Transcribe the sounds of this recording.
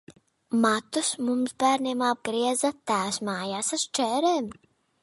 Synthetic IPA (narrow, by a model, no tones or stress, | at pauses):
mat̪usmumzbæːɾnʲiɛmab̚ɡɾiɛzat̪æːsmaːjaːsaʃt͡ʃɛːɾɛːm